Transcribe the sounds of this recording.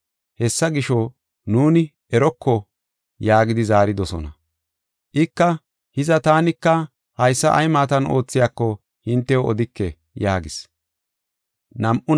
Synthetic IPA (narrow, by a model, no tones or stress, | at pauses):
hɛsːɐɡɪʃɔ | nuːnɪ | ɛɾɔkʰːɔ | jaːɡɪd̪ɪzaːɾɪd̪ɔsɔ̰nɐ | ʔɪkːɐ | hɪzɐt̪aːnɪkːɐ | hɐjsːɐʔɐjmaːt̪ɐnʔo̞ːt͡sːɪjakːɔ | hɪnt̪ːɛɔd̪ɪkːɛ | jaːɡɪs | nɐmʔʊ